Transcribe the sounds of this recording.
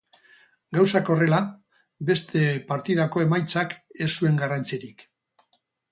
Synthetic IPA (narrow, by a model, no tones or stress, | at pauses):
ɡawsako̞re̞la | be̞st̪ʰe̞paɾt̪iðako̞e̞majt͡sake̞sue̞ŋɡarant͡siɾik